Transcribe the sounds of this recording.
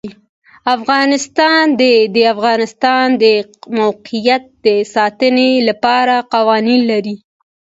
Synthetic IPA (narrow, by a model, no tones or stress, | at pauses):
afɣɑnɪst̪ɑnd̪ed̪əafɣɑnɪst̪ɑnd̪əmawqijat̪̚d̪̥əsɑt̪ənelapɑɾaqawɑninlaɾi